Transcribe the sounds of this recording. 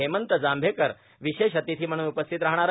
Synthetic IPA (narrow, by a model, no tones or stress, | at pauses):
emənt̪əd͡zambʱekəɾ | ʋiɕeʃət̪it̪ʰiːm̤əɽ̃uːnupəst̪ʰit̪ɾaɦɽ̃aɾ